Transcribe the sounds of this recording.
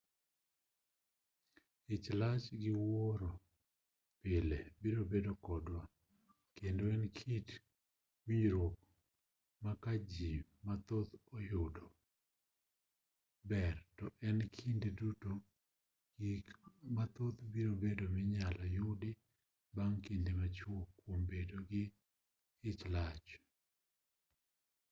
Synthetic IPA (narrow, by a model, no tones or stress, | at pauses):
it͡ʃlat͡ʃɡɪwoɾo | pɪlebiɾobedokɔdwa | kendoɛnkʰit | wiɲɾwok̚ | makad͡ʒimat̪ot̪ojʊdɔ | bɛrtɔʔɛnkʰindeduto | mat̪ot̪biɾobedomɪɲalɔjʊdɪ | baŋkindemat͡ʃwokːwombedoɡɪ | ɪt͡ʃlat͡ʃ